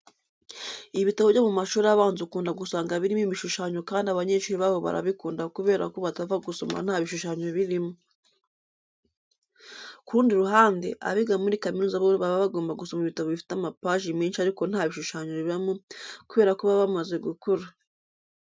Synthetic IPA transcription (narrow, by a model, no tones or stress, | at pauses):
iβitaβovɟomumaʃuːɾaβaːnzukuːndaɡusaːŋɡaβiɾimiβiʃuʃaɲo̞kaːndiaβaɲeːʃuɾiβaβo̞βa̰ɾa̰βikuːndakuβe̞ːɾa̰koβatavaɡuso̞ma̰n̥haːβiʃuʃaɲoβiɾimo | kuɾuːndiɾuɦaːndḛʔa̰βiɡamuɾikaminuːzaβoβaβaβaɡoːmbaɡuso̞maiβitaβoβifi̥tamapaːʒimiːnʃaɾiko̞n̥haːβiʃuʃaɲoβamokuβe̞ːɾakuβaβamaze̞ɡukoɾa